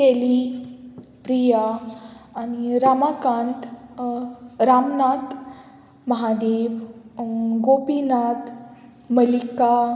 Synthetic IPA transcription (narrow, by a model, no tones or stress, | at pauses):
eli | pɾijaː | ñiɾamakãnt̪ | ɾamnat̪ | məɦad̪eːʋ | ɡopinat̪ | məlika